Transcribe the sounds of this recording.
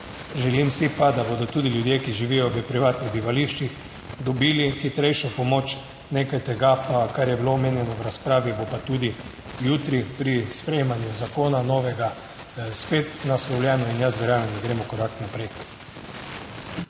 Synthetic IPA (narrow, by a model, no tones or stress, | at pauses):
ʒɛlimsipad̪abod̪ɔt̪uːd̪ilʲjud̪jekiʒiʋijɔʋəpɾiʋaːt̪niɣd̪iʋaliʃt͡ʃix | d̪ɔbiːlixit̪ɾɛjʃɔpɔmoːt͡ʃ | nekajt̪ɛɡapakaɾjɛbiloːmeːnjɛnɔʋɾaspɾaːʋibopat̪ud̪i | jut̪ɾipɾispɾejmanjuzakoːnanoʋɛɡa | spet̪naslɔwlʲjɛːnɔinjasʋɛɾaːnand̪aɡɾeːmɔkɔɾaknapɾɛj